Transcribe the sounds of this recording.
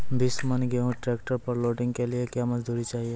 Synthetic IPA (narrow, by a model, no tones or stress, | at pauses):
bɪsmənɡeɦũʈɾeːkʈəɾpɐɾloːɖɪ̃ŋɡkeliekjaːmɐd͡ʒd̪ʱuːɾit͡ʃaːɦie